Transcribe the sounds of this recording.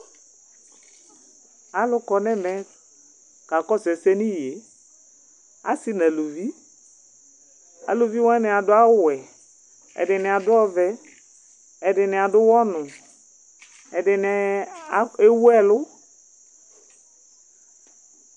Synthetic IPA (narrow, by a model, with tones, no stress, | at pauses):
a˨lʊ˦kɔ˨nɛ˦mɛ̃˨ | ka˨kɔ˦sɛ˨sɛ˦ni˦je˨˦ | a˨sɪ˦na˨lo˨vi˦ | a̰˨lo˨vi˦wɔ̃˦ɛ˦nɛ˨a˨dʊ˦a˦wɛ˨ | ɛ̰˨dɪ˨nɪ˨a˨dʊ˦ɔ˦vɛ˦ | ɛ˨dɪ˨nɪ̃˨a˨dʊ˦wɔ˦nʊ̃˨ | ɛ˨dɪ˨n˨˦ | e˦wu˦ɛ˦lʊ˦